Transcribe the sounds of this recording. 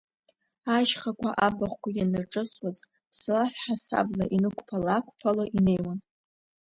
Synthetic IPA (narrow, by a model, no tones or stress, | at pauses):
aʒχakʷʰʼaʔabaχʷkʷʰajanɨrʈ͡ʂʼɨsʼwaz | pʰslaħħasa̰blaʔinɨkʷʰpʰalakʷʰʼpʰaloʔine̞jwan